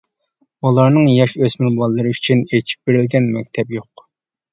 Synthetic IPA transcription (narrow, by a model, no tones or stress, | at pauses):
ulˠɑɾnɨŋjɑʃøsmɪlbɑlˠːɨɾɨyt͡ʃʰynet͡ʃʰi̥p̚beɾɪlɡʲɛnmɛkʲt̪ʰɛpjoq